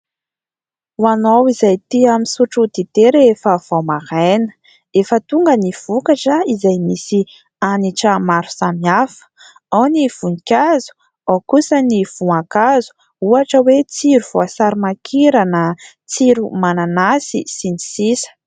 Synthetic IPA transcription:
wanowizajt̪iaminsuʈ͡ʂut̪it̪eɾefəv̥amaɾenə̥ | efət̪uŋɡəniv̥ukaʈ͡ʂəizajmisi | aniʈ͡ʂəmaɾu̥samiafə̥ | awniv̥unikʲazu̥ | awkusəniv̥uakazu̥ | uaʈ͡ʂəwet͡siɾuv̥oasaɾimakʰiɾanə | t͡siɾumananasḭsinisisə̥

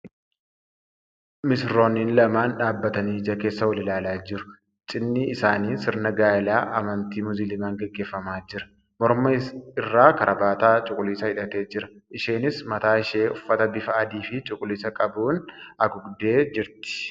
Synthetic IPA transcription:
mɪsɾo̞ːniːnlɐmaːnᶑaːbːɐt̪ɐniːd͡ʒɐke̞ːsːɐwɐlɪlaːlaːd͡ʒɪɾʊ̥ | t͡ʃʼɪnːɪːsaːniːsɪɾnɐɡaːɪlaːʔɐmɐnt̪iːmʊzɪlɪmaːŋɡɛɡːe̞ːfːɐmaːd͡ʒɪɾɐ̥ | mɔɾmɐɪrːaːkɐɾʔɐbaːt̪aːt͡ʃʼʊkʼʊliːsɐhɪᶑɐt̪e̞ːd͡ʒɪɾɐʔɪʃeːnɪsmɐt̪aːɪʃe̞ːʔʊfːɐt̪ɐbɪfɐɐd̪iːfɪt͡ʃʼʊkʼʊliːsɐkʼɐbuːnɐɡʊɡd̪e̞ːd͡ʒɪɾt̪ɪ̥

